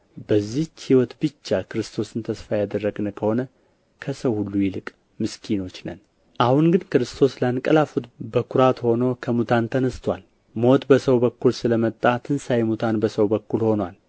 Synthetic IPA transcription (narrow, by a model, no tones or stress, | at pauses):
bəzːihiwɔt̪bɨt͡ʃːakʰɨɾɨst̪ʰo̞sɨnt̪ʰəsfajad̪ərːəɡnəkʰəho̞nə | kʰəsəwhulːujɪlɨkʼ | mɨskʰino̞t͡ʃːnə̰n | ʔahunɡɨnkɨɾɨst̪ʰo̞slankʼəlafut̪bəkʰuɾat̪ho̞no̞kʰəmut̪ʰant̪ʰənəst̪ʰwal | mo̞t̪bəsəwbəkːulsɨləmət̪ʼːat̪ʰɨnsajmut̪ʰanbəsəwbəkːulho̞nwal